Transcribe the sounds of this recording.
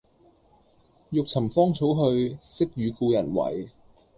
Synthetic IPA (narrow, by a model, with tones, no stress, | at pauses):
jʊ˨k̚t͡sʰɐ˨˩mfɔː˥ŋt͡sʰo˨˥wɦɵ˧ɥsɪ˥k̚ɥyː˨˧kuː˧jɐ˨˩nwɐ̰˨˩j